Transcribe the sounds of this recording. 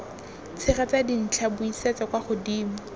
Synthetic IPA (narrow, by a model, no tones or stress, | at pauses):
t͡sʰɪχat͡sadin̩t͡ɬʰabʊisɛt͡sakwaχʊdiːmʊ